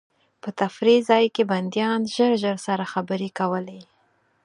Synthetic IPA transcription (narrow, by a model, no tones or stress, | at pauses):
pət̪afɾizɑjkeband̪jɑnʒəɾʒəɾsaɾaxabəɾekawəle